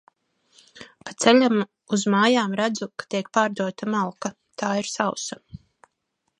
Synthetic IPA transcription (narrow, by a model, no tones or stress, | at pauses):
pat̪sɛlʲam | uzmaːjaːmɾæd̪zukḁt̪iɛk̚paːɾd̪uɔt̪amalˠka | t̪ʰaːiɾsawsa